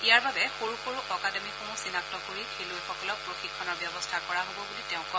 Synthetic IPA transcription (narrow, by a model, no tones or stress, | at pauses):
ijaɹbabɛxoɹuxoɹuʔɔkadɔmixõw̃sinak̚tɔkoɹitʰilʊɛxɔkɔlɔk̚pɹoxikʰːɔnɔɹbjɔbɔstʰakɔɹaɦobɔɡulitɛʊ̃kɔ